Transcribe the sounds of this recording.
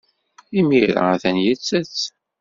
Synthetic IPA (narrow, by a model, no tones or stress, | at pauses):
imiɾa̰θænjət͡sːæt͡sː